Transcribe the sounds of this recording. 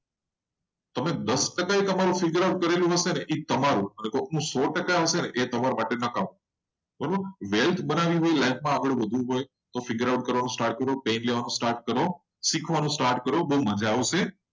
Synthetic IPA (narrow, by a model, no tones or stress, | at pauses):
t̪əmẽd̪əsʈəkaikəmaɾũfɪɡəɾaʊʈ̚kəɾelũɦəseneʔit̪əmaɾũənekoũːsɔːʈəkaɦəseneʔet̪ɐmaɾmaʈenəkaʋũ | pəɾəʋelt̪ʰɓənaʋiɦoilaɪkmãəɡəɽʋəd̪ʱũɦoːe | t̪ofɪɡəɾaʊʈ̚kəɾʋanũsʈaːɾʈ̚kəɾopẽːnleʋanũsʈaːɾʈ̚kəɾo | sikʰʋanũsʈaːɾʈkəɾoboːmə̃d͡ʒʱaʋosẽ